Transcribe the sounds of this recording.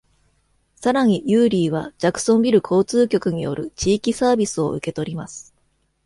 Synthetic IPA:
saɾaɲ̟ijɯːɾʲiːβad͡ʑakɯ̟̥sõ̞mbʲiɾɯ̟kʰo̞ːt͡sɨːkʲo̞kɯ̟ɲ̟ijo̞̰ɾɯ̟t͡ɕiːkʲisaːbʲisɨo̞̰ɯke̞t̪o̞ɾʲimasɨ̥

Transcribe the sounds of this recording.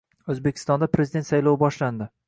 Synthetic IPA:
ɵzbekʲʰɪ̥st̪ɒnd̪apʰɾezid̪e̞nt̪sajlowbɒʃland̪ɪ

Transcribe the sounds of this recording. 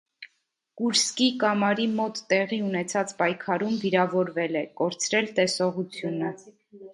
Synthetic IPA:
kuɾskikɑmɑɾimɔt̪ːɛʁiunɛt͡sʰɑt͡spɑjkʰɑɾumviɾɑvɔɾvɛlɛkɔɾt͡sʰɾɛlt̪ɛsɔʁut͡sʰjunə

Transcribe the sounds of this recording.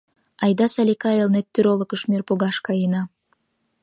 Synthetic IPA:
ɑjd̪ɑsɑlʲikɑelˠnet̪ːyɾolˠŏkə̆ʃmirpuɡɑʃkɑjinɑ

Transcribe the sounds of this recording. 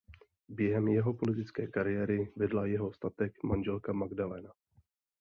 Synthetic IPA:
bjɛɦɛmjɛɦo̞polɪt̪ɪt͡skɛːkaɾɪjɛːɾɪvɛdlajɛɦo̞st̪at̪ɛkmanʒɛlkamaɡdalɛna

